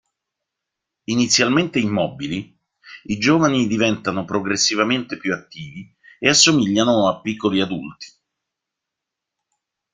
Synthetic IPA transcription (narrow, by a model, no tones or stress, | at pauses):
init̪sːjalment̪eimːɔbili | id͡ʒoːvanid̪ivɛnt̪anopɾoɡɾesːivament̪epjuat̪ːiːvi | easːomiʎːanoapːikːoliad̪ult̪i̥